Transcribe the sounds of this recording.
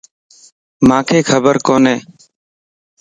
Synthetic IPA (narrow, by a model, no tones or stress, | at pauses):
mãːkʰeːkʰəbəɾkoːneː